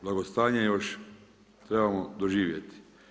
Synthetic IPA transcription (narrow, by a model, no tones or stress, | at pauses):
blˠaɡo̞st̪aːɲejoʃ | t̪ɾebamod̪oʒiːʋjet̪i̥